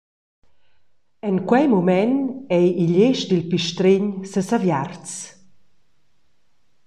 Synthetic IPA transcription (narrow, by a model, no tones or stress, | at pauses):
ɛnkwɛjmumɛnɛjiʎeʃd̪ilpiʃtɾiɲsəsavjart͡s